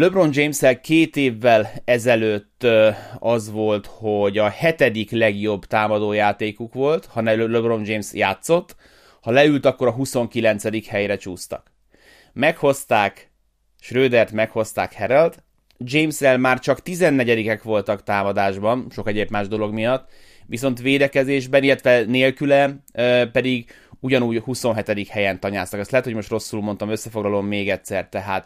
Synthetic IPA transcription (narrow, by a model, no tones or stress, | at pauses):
løbro̞nd͡ʒejmsɛlkeːt̪eːvːɛlɛzɛløːt̪ːɒzʋo̞lt̪ho̞ɟɒhɛt̪ɛd̪iklɛɡjo̞bt̪aːmɒd̪oːjaːt̪eːkukʋo̞lt̪hɒnɛløbro̞nd͡ʒeːmsjaːt̪so̞t̪ː | hɒlɛylt̪ɒkːo̞ɾɒɦuso̞ŋkilɛnt̪sɛd̪ikhɛjɾɛt͡ʃuːst̪ɒ̰k | mɛkho̞st̪aːk | ʃrøːd̪ɛrt̪mɛkho̞st̪a̰ːkhɛɾɛlt̪ | d͡ʒejmsɛlmaːrt͡ʃɒkt̪izɛnːɛɟɛd̪ikɛkʋo̞lt̪ɒkt̪aːmɒd̪aːʒbɒnʃo̞kɛɟeːbmaːʒd̪o̞lo̞ɡmijɒt̪ː | ʋiso̞nt̪ʋeːd̪ɛkɛzeːʒbɛnilːɛt̪ʋɛneːlkylɛpɛd̪iɡ | uɟɒnuːɟhuso̞nɦɛt̪ɛd̪ikhɛjɛnt̪ɒɲa̰ːst̪ɒkɛstlɛt̪homo̞ʃt̪ro̞sːuluːmo̞nt̪ɒmø̞sːɛfo̞ɡlɒlomːeːɡɛt̪sɛrt̪ɛɦaːt̪